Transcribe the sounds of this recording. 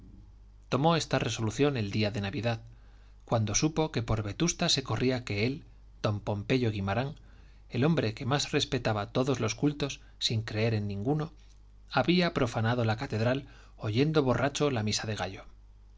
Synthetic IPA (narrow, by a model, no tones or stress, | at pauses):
t̪o̞mo̞e̞st̪are̞so̞luθjo̞ne̞ld̪iaðe̞naβiðað | kwand̪o̞supo̞ke̞po̞ɾβe̞t̪ust̪ase̞ko̞riake̞e̞l | d̪̥o̞mpo̞mpe̞ʝo̞ɣimaɾaŋ | e̞lo̞mbɾe̞ke̞masre̞spe̞t̪aβat̪o̞ðo̞zlo̞skult̪o̞sːiŋkɾe̞e̞ɾe̞nːĩŋɡuno̞ | aβiapɾo̞fanaðo̞lakat̪e̞ðɾal | o̞ʝe̞nd̪o̞β̞o̞rʔat͡ʃo̞lamisaðe̞ɣ̞aʝo̞